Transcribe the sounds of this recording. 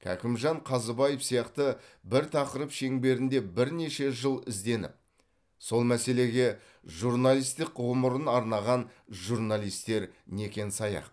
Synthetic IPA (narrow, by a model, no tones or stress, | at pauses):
kʲʰæ̰kʲɪmʒɑɴqʰɑzəbɑjəfsijɑqt̪əbɪɾt̪ʰɑqəɾəpʃe̞ŋbe̞ɾɪnd̪e̞bɪɾne̞ʃe̞ʒəlˠɪzd̪e̞nɪ̰p̚ | so̞lˠmæse̞le̞ɡʲe̞ | ʒuɾnalʲˠijst̪ɪqːʊwəməɾənɑɾnɑʁɑnʒuɾnalʲˠijst̪e̞ɾne̞kʲe̞nsɑjɑ̰q̚